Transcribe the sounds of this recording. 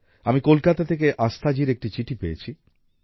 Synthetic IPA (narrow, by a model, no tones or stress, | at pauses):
amikolkat̪at̪ʰek̬eʔast̪ʰad͡ʑiɾek̚ʈit͡ɕiʈʰipejḛt͡ɕʰi